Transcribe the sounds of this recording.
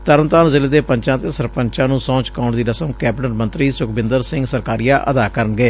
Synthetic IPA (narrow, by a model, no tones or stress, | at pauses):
t̪əɾəmt̪aːnzɪleːd̪eːpəɲt͡ʃãːt̪eːsəɾpəɲt͡ʃãːnũːsɔ̃ːt͡ʃkaʊɳd̪iːɾəsəmkɛːbʈənmə̃nt̪ɾiːsʊkbɪnd̪əɾsɪ̃ŋɡsəɾkaːɾɪjaːʔəd̪aːkəɾənɡeː